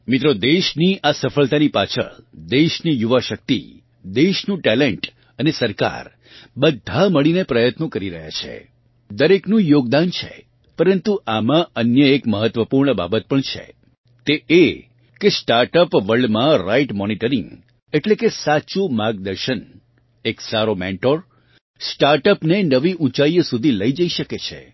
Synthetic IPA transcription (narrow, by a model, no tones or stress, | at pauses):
mɪt̪ɾod̪eʃniʔasəfəlt̪anipat͡ʃʰə̰ɭd̪eʃnijuʋaʃək̚t̪ḭ | d̪eʃnũʈɛleɳʈ | ənesəɾka̰ɾ | bəd̪ʱːaməɭinepɾəjət̪nõkəɾiɾəɦja̰t͡ʃʰḛ | d̪əɾeknũjoɡ̚d̪ant͡ʃʰḛ | pəɾənt̪uʔamãənjəekməɦət̪ʋəpuɾɳəba̰bət̪̚pəɳt͡ʃʰḛ | t̪eʔe | kesʈaɾʈəpʋəɭɖmãɾaiʈmɔniʈəɾḭŋɡ | eʈlekesat͡ʃumaɡd̪əɾʃən | eksaɾomḛ̃ɳʈoɾ | sʈaɾʈəpnenəʋiʔũt͡ʃaijəsud̪ʱiləid͡ʒəiʃəket͡ʃʰḛ